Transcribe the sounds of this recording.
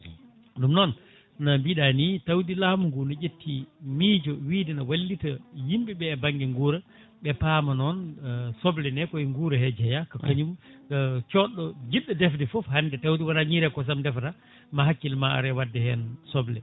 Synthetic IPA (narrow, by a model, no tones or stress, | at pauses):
ɗumnɔn | nambiɗanitawdilaːmuŋɡunad͡ʒetʰːimid͡ʒɔwiːdinawalːitajimɓiɓɛːbaŋɡɛŋɡuːɾɛ | ɓɛpamanɔnsɔblɛnɛkɔiŋɡuɾɛhɛd͡ʒɛjakakaɲum | t͡ʃɔɗːɔd͡ʒiɗːɔdɛfdɛfɔfhandɛtawdiwanaɲiɾɛkɔs̬amdɛfda | maɦakːilmaa̰ɾɛwadːɛhɛnsɔblɛ